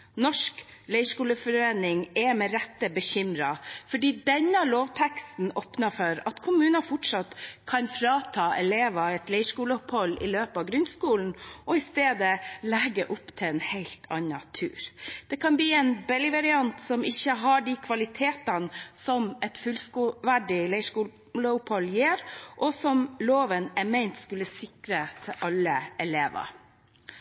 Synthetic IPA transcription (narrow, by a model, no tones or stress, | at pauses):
nɔʂklɛɪʂkuːləfɔɾeːnɪŋɛmɛɾɛt̪ːəbəçʏmɾɑfɔɖiːd̪ɛnːəloːʋt̪ʰɛkst̪n̩oːpnɑfɔɾɑt̪kʰʊmʉːnɑfʊʈʂɑt̪kʰɑnfɾɑːt̪ʰɑːʔɛleːʋɑɛt̪lɛɪʂkuːləʊphɔlːɪ̰løːpɑʋɡɾʉnskuːln̩ʔɔɪst̪eːd̪əlɛɡəʔʊpt̪ʰɪlɛnhæɪlt̪ʰɑ̰nɑt̪ʰʉ̰ːɾd̪̥ɛkʰɑnbliːɛːnbɛlɪʋɑɾɪɑnt̪sɔmɪçːəɦɑɖikʰʋɑlɪt̪ʰeːt̪ɑnsɔmɛt̪fʉlskːʋæɖɪlæɪʂkuː | ləʊphɔlːjeːɾʔɔsɔmloːʋənæmæɪnt̪skʉlːəsɪkɾət̪ʰɪʔɑlːəʔɛleːʋɑ̰